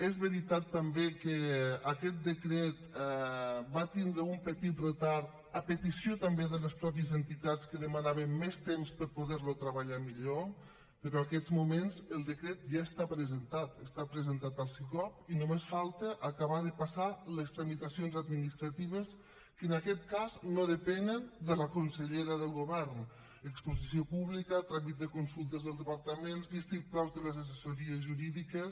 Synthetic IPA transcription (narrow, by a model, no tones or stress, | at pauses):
ezβəɾit̪at̪ːambekəakɛt̪̚d̪əkɾɛt̪ | bat̪ind̪ɾəumpət̪it̪rət̪aɾt̪ | əpət̪isiot̪ambeðələspɾɔp̬jəzənt̪it̪at͡skəðəmanaβəmmːest̪emspəɾpuðɛɾlut̪ɾəβaʎamiʎo | pəɾɔakɛzmumenzəlˠd̪əkɾɛt̪̚ʒaəst̪apɾəzənt̪at̪əst̪apɾəzənt̪at̪alˠsewkɔpinomesfalˠt̪əʔakaβaðəpasaləst̪ɾəmit̪asionzad̪minist̪ɾat̪iβ̞əs | kənakɛt̪̚kaznoðəpɛnənd̪ələkunsəʎeɾəðəlˠɣoβɛɾn | əkspuzisiopuβlikət̪ɾamit̪̚d̪əkunsulˠt̪əzðəlˠd̪əpaɾt̪əmensbist̪ipɾɔwzðələzas̬əsoɾiəzʒuɾiðikəs